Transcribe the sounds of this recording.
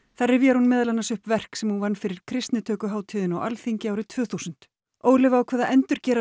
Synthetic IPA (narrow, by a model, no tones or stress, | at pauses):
θarːɪvjɛɾ̥hunmɪːðalanːasʏhpvɛr̥ksɛmhunvanːfɪɾɪɾ̥kʰɾɪst̪nɪt̪ʰœːkʏɦaːwt̪ʰɪːðɪnawʔa̰lθiɲcɪawɾɪt̪ʰvœːθusʏn̥t̪ | oːwlɪvaawkʰɛːðaʔɛnt̪ʏɾcɛːɾa